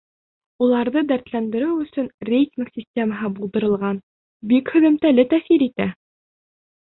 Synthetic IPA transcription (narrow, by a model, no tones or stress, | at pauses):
ulˠɑɾðɤd̪æɾt̪lænd̪ɘ̆ɾɘwɵ̆sɵnrʲejtʲinksʲisʲtʲe̞məɦɤbulˠd̪ɤ̆ɾɤ̆lˠʁɑn | bikhɵ̆ðɘ̆mt̪ælɘt̪æfiɾit̪æ